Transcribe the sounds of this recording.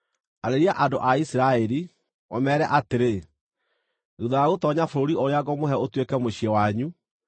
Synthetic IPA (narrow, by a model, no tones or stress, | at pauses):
aɾeɾiaʔadoʔaisiɾaɛɾi | wɔ̰mɛːɾɛʔateɾe | ɣuðɔjaɣotɔɲafoɾoɾioɾeaɡɔmoɦɛotwekɛmoɕiɛwaɲu